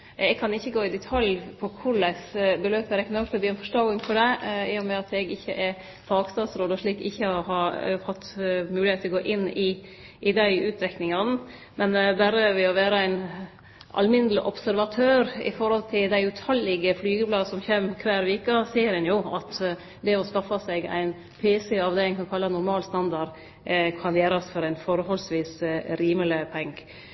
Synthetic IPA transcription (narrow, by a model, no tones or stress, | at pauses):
ɛɡ̚kʰɑnɪçːəɡoːɪd̪ɛt̪ʰɑljpʰɔkʰʊɾɭæɪsbəløːpəɾɛknɔkfəbiːɛnfɔʂʈ̪ɑɡɪŋfɔɖ̪ɛɪːjʊmɛɑt̪ɛɡɪçːəʔɛɾ | fɑːɡst̪ɑːsɾoːd̪ɔʂɭiːkɪçːəhɑɾhɑt̪ːmʉːlɪeːt̪ʰːɛɔɡoːʔɪnːɪ | ʔɪd̪æɪʔʉːt̪ɾɛknɪŋɑnə | mɛnbæɾəʋɛɔʋæːɾəæɪn | ʔɑ̰lmɪnəlɪʔɔpsæɾʋɑt̪ʰøːɾɪ̰fɔɾhɔlt̪ʰɪld̪æɪʉt̪ʰɑlːɪɡəflyːɡəblɑːsɔmçɛmkʰʋæːɾʋiːkɑseːɾhɛnjʊɑt̪ | d̪ɛɔskɑfɑsɛɡæ̰ɪn | pʰeːsɛɑʋd̪ɛɪŋkɑnkʰɑlːɑnʊɾmɑːlst̪ɑnd̪ɑɾ | kʰɑnjeːɾɑsfɔɾæɪnfɔɾhɔlsʋiːsɾiːmələpʰɛŋɡ